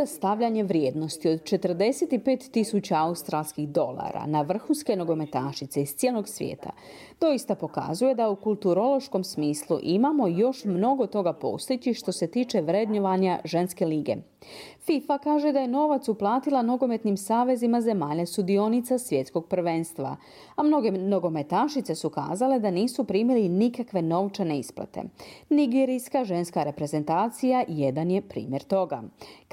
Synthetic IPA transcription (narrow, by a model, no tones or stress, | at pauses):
ast̪aʋʎaɲe̞ʋɾjeːd̪no̞st̪io̞d̪̚t͡ʃe̞t̪r̩d̪e̞set̪ipe̞ːt̪ːisut͡ɕaaust̪ɾalˠskixd̪o̞lˠa̰ɾa̰naʋr̩xunske̞no̞ɡo̞me̞t̪aːʃit̪seist̪sʲjelo̞ɡsʋjḛːt̪a̰ | d̪o̞jist̪apo̞ka̰zuje̞d̪aukulˠt̪uɾo̞lo̞ʃko̞msmiːslˠṵʔimamo̞jo̞ʃmno̞ɡo̞t̪o̞ɡapo̞̰ːst̪it͡ɕiʃt̪o̞se̞t̪iːt͡ʃe̞ʋɾe̞d̪ɲoʋaɲaʒe̞nske̞liːɡe̞̰ | fifakaːʒe̞d̪aje̞no̞ʋat̪suplˠaːt̪ilˠano̞ɡo̞me̞t̪nimsaːʋe̞zimaze̞maːʎast̪ud̪io̞nit̪sasʋje̞t̪sko̞ɡ̚pr̩ʋe̞nst̪ʋa̰ | amno̞ɡe̞noɡo̞me̞t̪aʃit̪se̞suka̰ːzale̞d̪aniːsupɾiːmilinikakʋe̞no̞ʋt͡ʃane̞isplˠa̰t̪ḛniɡeɾijskaʒe̞nskaɾe̞pɾe̞ze̞nt̪aːt̪sijaje̞d̪anjepɾḭːmje̞ɾt̪o̞ɡa̰